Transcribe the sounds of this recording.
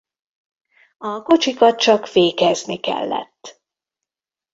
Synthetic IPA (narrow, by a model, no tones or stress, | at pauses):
ɒko̞t͡ʃikɒt̪̚t͡ʃɒkʋeːkɛznikɛ̰lːɛ̰t̪ː